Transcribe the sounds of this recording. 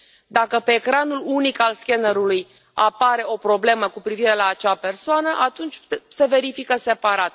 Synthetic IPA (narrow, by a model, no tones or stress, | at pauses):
d̪akəpeːkɾanulunikalskʲenəɾuluj | apaɾe̞o̞pɾo̞ble̞məkupɾiviɾe̞laːt͡ʃape̞rsoanəʔat̪unt͡ʃʲse̞ve̞ɾifikəse̞paɾat̪̚